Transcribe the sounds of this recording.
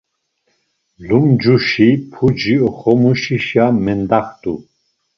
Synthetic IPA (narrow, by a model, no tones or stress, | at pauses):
lumd͡ʒuʃipʰud͡ʒiɔχɔmuʃiʃjamɛnd̪aχt̪ʼṵ